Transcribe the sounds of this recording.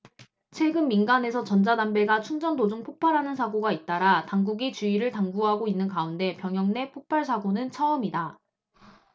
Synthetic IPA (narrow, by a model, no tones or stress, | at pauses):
t͡ɕʰwe̞ɡɯnminɡane̞sʰʌt͡ɕʌnd͡ʑadambe̞ɡat͡ɕʰuŋd͡ʑʌndod͡ʑuŋpʰopʰaɾɦanɯnsʰaɡoɡait̚t͈aɾataŋɡuɡit͡ɕuiɾɯɭtaŋɡuɦaɡoinːɯnkaunde̞pjʌŋjʌŋne̞pʰok̚pʰaɭsʰaɡonɯnt͡ɕʰʌʌmida